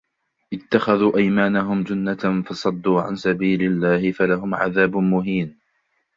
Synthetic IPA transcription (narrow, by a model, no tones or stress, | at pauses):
ʔɪt̪ːaxaðuːʔajmaːnaɦʊmd͡ʒʊnːafɑsˤɑd̪ːuːʕa̰nsabiːlɪlːaːhɪfalaɦʊmʕa̰ðaːbmʊɦiːn